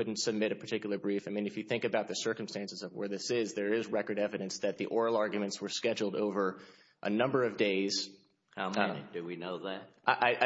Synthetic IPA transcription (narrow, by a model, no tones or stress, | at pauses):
ʊdⁿn̩tsɨb̚mɪɾɨpʰə˞tʰɪkjl̩ˠə˞bɹifaɪmĩnɨfjɨθɪ̃ŋkɨbaʊt̪̚ðɨsɜ˞km̩stæ̃nsɨzʌvwə̰˞ðɪsɪzðə˞ɪzɹɛkə˞ɾɛvɨɾɨ̃nsðɨt̪̚ðiʔɔɹl̩ˠɑɹɡjɨmɨ̃ntswə˞skɛd͡ʒl̩ˠdoʊvə˞ | ʔə̰nʌ̃mbə˞ʌvdeɪz̥ | haʊmnd̥ɨwinoʊðæt̚ʔaɪʔaɪʔa